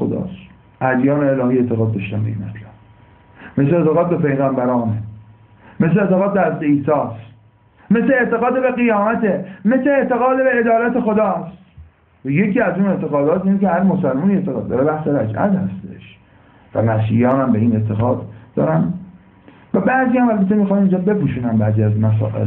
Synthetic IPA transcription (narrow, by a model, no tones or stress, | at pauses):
od̪ɒ̰ːs | ʔæd̪jɒːneelɒːhiːe̞t̪ʰeɣɒːd̪̚ːɒːʃt̪ænbe̞̰ḭːnmæt̪ʰlæb̥ | me̞slet̪ʰeɣɒːd̪̚be̞pʰe̞jɣæmbæɾɒːne | me̞sleet̪ʰeɣɒːd̪̚beæsd̪eiːsɒːs | mesleeʔt̪e̞ɣɒːd̪ebeɣijɒːmæt̪ʰeme̞sleːʔt̪e̞ɣɒːd̪ebeːd̪ɒːlæt̪ʰexo̞d̪ɒːstt̪ | væje̞ciːæzuːne̞ʔt̪ʰe̞ɣɒːd̪ɒːt̪iːnekehæɾmosælmuniet̪ʰeɣɒːd̪d̪ːɒ̰ɾebæhseɾæd͡ʒʔæ̰t̪hæst̪ḛʃ | væ̰mæsḭjɒːnæmbe̞iːne̞t̪ʰe̞ɣɒːd̪ːɒ̰ːɾæn | væbæʔziːjæmælbæt̪ʰːemixɒːnind͡ʒɒːbe̞puːʃuːnænbæːziːæzmæs̬ɒ̰ːʔḛl